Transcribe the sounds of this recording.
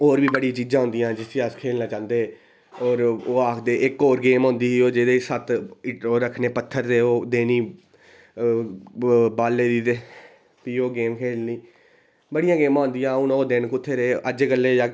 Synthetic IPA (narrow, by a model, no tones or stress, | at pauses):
oːɾʋiːbəɽiːt͡ʃiːd͡ʒãːɦʊ̃nd̪ijãːd͡ʒɪsiːəskʰeːlnaːt͡ʃãːnd̪eː | ɔːɾoːaːkʰd̪eːʔɪkoːɾɡeːmɦʊ̃nd̪iːiːoːd͡ʒeːd̪eːsət̪ɪʈoːɾəkʰneːpət̪ʰːəɾd̪eːoːd̪eːniː | baːlːeːd̪iːt̪eː | piːoːɡeːmkʰeːlniː | bəɽɪjãːɡeːmãːnd̪ɪjãːʊnoːd̪enkʊt̪ʰːeːɾeeːʔəd͡ʒeːkəlːeːd͡ʒaː